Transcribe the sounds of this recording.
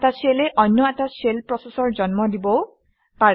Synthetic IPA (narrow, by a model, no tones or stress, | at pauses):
taseleʔɔnːɔɛtaselpɹɔsesɔɹd͡ʒɔnmɔdibɔ | pa